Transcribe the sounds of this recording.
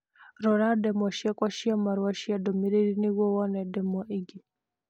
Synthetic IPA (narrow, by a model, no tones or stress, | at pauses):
ɾɔɾadɛmɔʃiakwaʃiamaɾwaʃiadɔmiɾeɾiniwɔwɔnɛdɛmɔʔiɡi